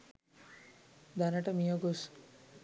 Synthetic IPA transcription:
d̪ɐnɐʈəmijəɡos

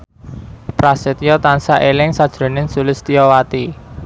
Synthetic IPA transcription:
pɾasɪt̪jɔt̪ansaʔelɪŋsad̥ʒ̥ɾo̤nɪnsulɪst̪ijɔwat̪i

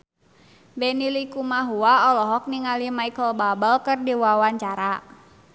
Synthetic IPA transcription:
bɛnilikumaɦuaɔlɔɦɔk̚niŋalimaikəlbabəlkərdiwawaɲt͡ʃaɾa

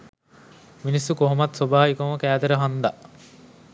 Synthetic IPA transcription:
minisːukoɦomat̪sobaːɦikoŋəkæːd̪eɾəɦand̪a

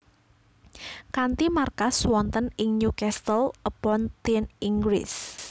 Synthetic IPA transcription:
kant̪imarkaswɔnt̪ənɪŋɲukɛst̪əlʔəpɔnt̪iniŋɡɾɪ̰s

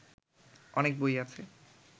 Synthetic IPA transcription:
ɔnek̚bojat͡ɕʰe

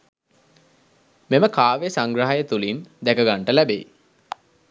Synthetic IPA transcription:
meməkaːʋesaŋɡɾaɦajət̪ulind̪ækəɡaɳʈəlæbḛ

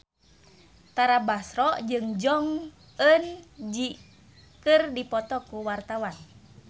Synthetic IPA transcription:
t̪aɾabasɾɔd͡ʒɨŋd͡ʒɔŋ | ənd͡ʒi | kɨrdipɔt̪ɔkuwart̪awan

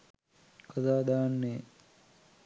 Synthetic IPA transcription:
kazaːd̪aːnːe

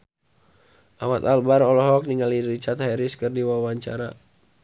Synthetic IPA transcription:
ʔawat̪albaɾɔlɔɦɔk̚niŋɡaliɾit͡ʃat̪hajɾiskɨrdiwawaɲt͡ʃa̰ɾa

